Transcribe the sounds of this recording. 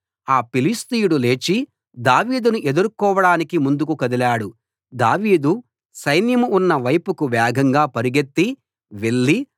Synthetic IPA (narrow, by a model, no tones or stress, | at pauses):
aːpilist̪ijuɽule̞ːt͡ʃi | d̪aːʋiːd̪unuʔe̞d̪uɾukɔːʋɐɽaːnikimund̪ukukɐd̪ilaːɽu | d̪aːʋiːd̪u | sɐjnjɐmuunːɐʋɐjpukuʋɛːɡʱɐŋɡaːpɐɾiɡet̪ːi | ʋe̞ɭːi